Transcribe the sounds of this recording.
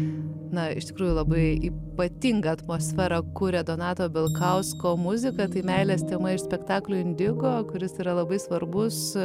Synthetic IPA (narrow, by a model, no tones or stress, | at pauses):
nɐɪ̰ʃt̪ʲɪ̥kɾuːjʊlˠɐbɐɪiːpɐt̪ʲiŋɡɐɐt̪moːsʲfʲæːɾɐkʊɾʲed̪onɑːt̪oːbʲɪlˠkɐʊskoːmʊzʲɪkɐt̪ɐɪmʲɛɪlʲeːst̪ʲeːmɐɪʃsʲpʲɛkt̪ɑːklʲuɪnʲd̪ʲɪɡoːkʊɾʲɪsiːɾɐlˠɐbɐɪsʋɐɾbʊs